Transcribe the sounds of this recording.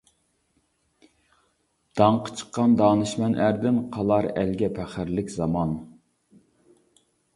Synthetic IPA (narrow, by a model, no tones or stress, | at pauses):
d̪̥ɑɴqʰə̥t͡ʃʰə̥qːɑnd̪ɑːnɨʃmɛnʔæɾd̪ɪnqʰɑlˠɑɾælɡʲɛpʰæχɪɾlɪkʲzɑmɑn